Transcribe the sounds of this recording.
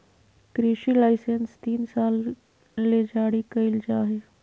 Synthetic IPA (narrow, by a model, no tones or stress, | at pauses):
kɾiːʃilaːɪsenst̪iːnsaːlː | ed͡ʒaːɽikəɪld͡ʒaːɦeː